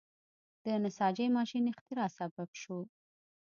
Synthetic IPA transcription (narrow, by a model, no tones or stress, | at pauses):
d̪̥ənasɑd͡ʒəjmɑʃinɪxt̪ɪɾɑsababʃo